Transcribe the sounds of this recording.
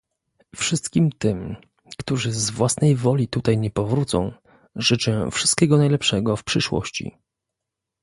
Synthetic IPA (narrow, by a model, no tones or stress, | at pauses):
fʂɘst̪kʲimt̪ɘm | kt̪uʐɘzvwasnɛjvɔlʲit̪ut̪ajɲɛpɔvɾut̪sɔ̰̃w̃ | ʐɘt͡ʂɛfʂɘ̥st̪̚kʲɛɡɔnajlɛpʂɛɡɔfpʂɘʂwɔ̰ɕt͡ɕḭ